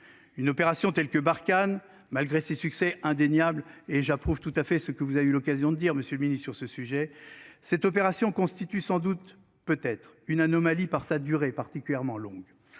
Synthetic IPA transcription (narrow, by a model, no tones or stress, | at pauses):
ynɔpeʁasjɔ̃t̪ɛlkəbaʁkan | malɡʁesesyksɛʔɛ̃d̪eɲjableʒapχuvt̪ut̪afɛsəkəvuzaveylɔkazjɔ̃d̪əd̪iʁməsjølminisyʁsəsyʒɛsɛt̪ɔp̬eʁasjɔ̃kɔ̃st̪it̪ysɑ̃d̪ut̪ | pøt̪ɛt̪χ | ynanɔmalipaʁsad̪yʁepaʁt̪ikʲyljɛʁmɑ̃lɔ̃ɡ